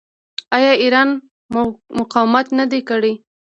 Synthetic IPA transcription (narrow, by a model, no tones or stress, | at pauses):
ɑjɑiɾɑn | mʊqɑwmat̪nad̪ekəɽe